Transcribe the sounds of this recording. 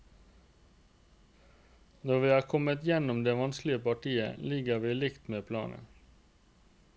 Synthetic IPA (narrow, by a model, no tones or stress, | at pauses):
nɔʁʋiːɑːkʰɔmət̪jɛnʊmd̪eːʋɑnsklɪəpɑʈʰiːə̰lɪɡəʋiːlɪkt̪meːpʰlɑ̰ːnə̰